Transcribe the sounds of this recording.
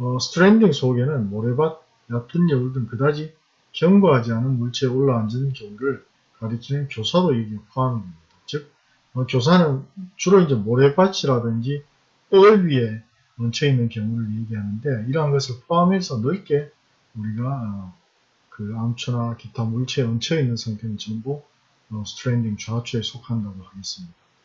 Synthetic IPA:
ʌsʰɯ̥tʰɾendiŋsʰoɡe̞nɯnmoɾe̞bat̚ | jat̚t͈ɯnjʌɯɭdɯnkɯdad͡ʑi | kjʌŋbuɦad͡ʑianɯnmuɭt͡ɕʰeoɭːaːnd͡ʑɯnkjʌŋuɾɯɭ | kaɾɯkʰinɯnkjosʰadoje̞ɡiepʰoamɯnɡʌmidat͡ɕɯk̚ | ʌkjosʰanɯnt͡ɕuɾoind͡ʑe̞moɾe̞bat͡ɕʰiɾadɯnd͡ʑi | tʌɭɥie̞ | ʌnt͡ɕʰʌinːɯnkjʌŋuɾɯɭje̞ɡiɦanɯnde̞iɾʌɦanɡʌsʰɯɭpʰoamɦe̞sʰʌnɯɭk͈e̞ | uɾiɡaʌ | kɯamt͡ɕʰunakitʰamuɭt͡ɕʰeʌnt͡ɕʰʌinːɯnsʰaŋtʰenɯnt͡ɕʌmbo | ʌsʰtʰɾendiŋt͡ɕuat͡ɕʰuesʰokʰandaɡohaɡe̞s͈ɯmɲida

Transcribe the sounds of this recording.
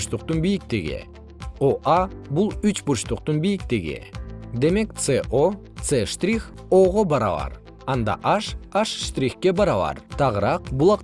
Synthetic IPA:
t͡ʃt̪uq̚t̪unbijik̚t̪eɡḭ | oʔɑbulˠyt͡ʃbut͡ʃt̪uq̚t̪unbijikt̪eɡḭd̪e̞me̞kt̪seʔot̪seʃt̪rʲixo̞ʁo̞bɑɾɑ̰βɑ̰ɾ | ɑnd̪ɑ̰ʔɑʃɑʃʃt̪rʲixkːe̞bɑɾɑβɑ̰ɾt̪ʰɑʁəɾɑqbulˠɑq

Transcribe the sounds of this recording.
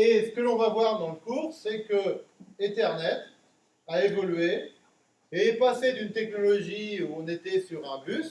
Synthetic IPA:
esə̥kəlɔ̃vavwaʁd̪ɑ̃ləkuʁsɛkəẽt̪ɛʁnɛt̪ | aevɔlɥe | epased̪ynt̪ɛknɔlɔʒiuɔ̃net̪ɛsyʁɛ̃bys

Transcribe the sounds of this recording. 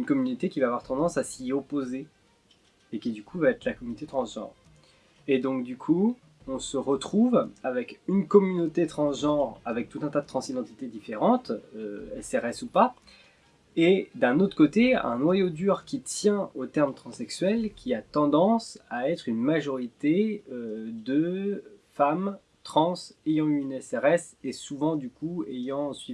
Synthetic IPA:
ynkɔmynot̪ekʲivaːvwaʁt̪ɑ̃d̪ɑ̃sasiopozeː | kʲid̪ykʰuvaɛt̪χlakɔmynot̪et̪χɑ̃sʒɑ̰̃ːʁ | ed̪ɔ̃k̚d̪ykʰu | ɔ̃səʁət̪χuvavɛkynkɔmynot̪et̪χɑ̃sʒɑ̃ʁavɛk̚t̪ut̪ɛ̃t̪ad̪ət̪χɑ̃sid̪ɑ̃t̪i̥t̪ed̪ifeʁɑ̃t̪øɛsɛʁɛsupa | ed̪ɛ̃not̪χəkot̪eɛ̰̃nwajod̪yʁkʲit̪jɛ̃ot̪ɛʁmt̪χɑ̃sɛksɥɛlkʲiat̪ɑ̃d̪ɑ̃saɛt̪χynmaʒɔʁit̪eød̪ə | fam | t̪χɑ̃sejɑ̃yynɛsɛʁɛsesuvɑ̃d̪ykuejɑ̃sɥi

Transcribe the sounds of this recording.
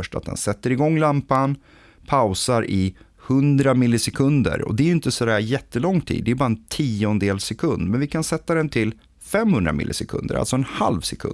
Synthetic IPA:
ʂʈa̰t̪̚d̪ɛ̰nsɛt̪ːəɾɪɡɔŋːlampan | pʰaʊsaɾʔɪ | hɵnd̪ɾamɪlːɪsɛkʰɵnd̪ə̰ɾɔ̰d̪ɛæɾjʏʏnt̪əsɔd̪æːɾjɛt̪ːəlɔŋːt̪ʰḭːd̪ːɛæjbɑːɾaɛnt̪ʰiːɔnd̪eːlsɛkʰɵnd̪mɛnvɪkʰansɛt̪ːad̪ɛnt̪ʰɪl | fɛmːhɵnd̪ɾa̰mɪ̰lːɪ̰sɛkʰɵ̰nd̪ə̰ɾa̰sɔɛnha̰lvsɛkʰɵ̰

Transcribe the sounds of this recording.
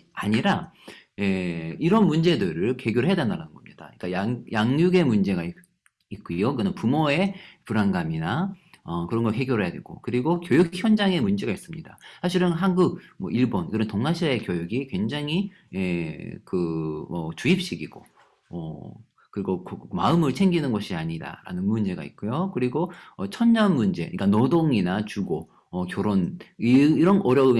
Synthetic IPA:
aɲiɾaje̞iɾʌnmund͡ʑe̞dɯɾɯɭke̞ɡjoɭɦeadanaɾanɯnɡʌmɲid̥a̰ik͈ajajaŋjuɡe̞mund͡ʑe̞ɡai | ik͈ujokɡʌnɯnpumoe̞puɾanɡaminaʌkɯɾʌnɡʌɦe̞ɡjoɾɦejadweɭɡ̥o̰kɯɾiɡokjojukçjʌnd͡ʑaŋe̞mund͡ʑe̞ɡais͈ɯmɲida̰sʰaɕʰiɾɯnɦanɡuk̚mʌiɭbonkɯɾʌntoŋnaɕʰiaekjojuɡikwe̞ŋd͡ʑaŋi | ekɯmʌt͡ɕuip̚ɕ͈iɡiɡ̥o̰ | ʌ | kɯɾiɡokmaɯmɯɭt͡ɕʰe̞ŋɡinɯnɡʌɕʰiaɲida̰ɾa̰nɯnmund͡ʑe̞ɡa̰ḭt̚k͈ojokɯɾiɡoʌt͡ɕʰʌnɲʌnmund͡ʑe̞̰iɲik͈anodoŋinat͡ɕuɡo | ʌkjoɾoniɾʌnʔʌɾjʌɯ

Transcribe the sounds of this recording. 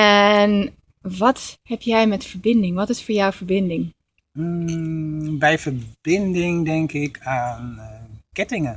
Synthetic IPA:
ɛn | ʋɑthɛpjɛjmɛtfəɹbɪndɪŋʋɑtɪsfʊːɹjawvəɹbɪndɪŋ̩ | bɛjvəɹbɪndɪŋdɛŋkɪkʰaːnkɛtɪŋən

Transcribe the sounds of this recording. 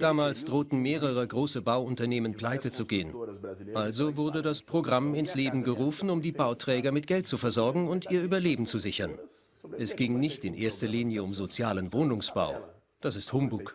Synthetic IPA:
d̥aːmaːlsd̥ʁoːtn̩meːʁəʁ̞əɡʁoːsəbaʊʊntɐneːmənpl̥aɪtət͡suɡeːənʔalzovʊɐdədaspʁ̥oɡʁamɪnsleːbm̩ɡəʁuːfn̩ʊmdiːbaʊtʁ̥ɛːɡɐmɪtɡ̥ɛlt̚t͡sufɛɐzɔɐɡŋ̩ʊntʔiːɐyːbɐleːbm̩t͡suzɪçɐ̰n | ʔɛsɡ̥ɪŋnɪçtɪnʔeːɐstɐliːnjəʊmzot͡sjaːlənvoːnʊŋsb̥a̰ʊ | d̥asɪsthʊmbʊk

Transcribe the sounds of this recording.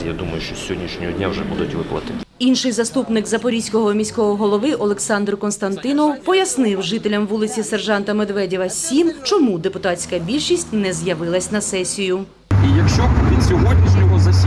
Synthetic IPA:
ja̰d̪umɐjʊʃt͡ʃɔsʲɦɔdʲnʲiʃnʲɔɦɔdʲnʲawʒɛbud̪ʊtʲʋɪplˠɐ̰t̪ɪt̪ʲinʃɪjzɐst̪upnɪkzɐpɔɾʲisʲkɔɦɔmʲisʲkɔɦɔɦɔlˠɔʋɪʔɔlˠeksɑnd̪ɾʊkɔnst̪ɐnt̪ɪnɔwpɔjɐsnɪwʒɪt̪elʲɐmʋulˠɪt͡sʲiserʒɑnt̪ɐmed̪ʋɛdʲiʋɐsʲimt͡ʃɔmud̪epʊt̪ɑsʲkɐbʲilʲʃisʲtʲnɛzjɐʋɪlˠɐsʲnɐsɛsʲijʊ | ijɐkʃt͡ʃɔʋʲinsʲɔɦɔdʲnʲizʲnʲɔɦɔzɐsʲ

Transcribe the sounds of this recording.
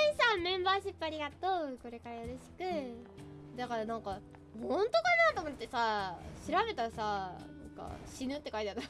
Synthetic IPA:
ĩsãmːẽ̞mbaːɕipːaɾʲiɡat̪oːko̞ɾe̞kaɾajoɾoɕi̥kɯ̟ | d̪akaɾanãŋka | hõnt̪o̞kanaːt̪o̞mo̞t̪ːe̞saɕiɾaβe̞t̪aɾasanã̰ŋka̰ɕinɯ̟t̪ːe̞kait̪at̪ːa

